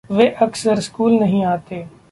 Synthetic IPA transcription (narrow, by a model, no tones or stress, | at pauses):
ʋeːʔɐksəɾskuːlnɐɦĩaːt̪eː